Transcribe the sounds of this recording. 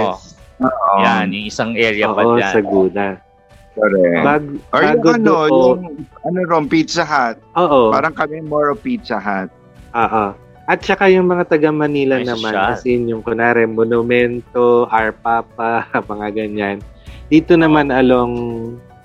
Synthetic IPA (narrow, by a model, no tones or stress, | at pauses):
oːʔojaniɪsaŋʔɛɾjɐoːʔosɐɡuːd̪ɐ | koɾɛbaːɡʔobaːɡoɐdnooʔʊŋɐnoɾoŋpit̪slɐɦat̪̚ʔoːʔopaːɾɐŋkɐmɛmoɹopit̪slɐɦat̪̚ | ʔoːʔo | ʔɐt̪̚t͡ʃɐkajʊŋmɐŋat̪ɐɡɐmɐniːlɐnɐmankɐsɛɲʊŋkʊnaːɾɛmonʊmɛnt̪oʔɐɹpaːp̚ɐmɐŋaɡɐɲand̪̥iːt̪onɐmanʔɐloŋ